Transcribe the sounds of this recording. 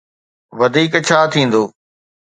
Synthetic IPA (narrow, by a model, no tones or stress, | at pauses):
ʋɐd̪ʱiːkt͡ɕʰaːt̪ʰĩːn̆d̪oː